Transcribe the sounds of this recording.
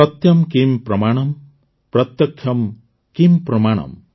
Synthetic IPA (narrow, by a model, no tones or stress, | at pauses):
ʌt̪jʌmkimpɾʌmaɽ̃ɔm | pɾʌt̪jʌkʰjʌm | kimpɾɔmaɽ̃ʌ̰m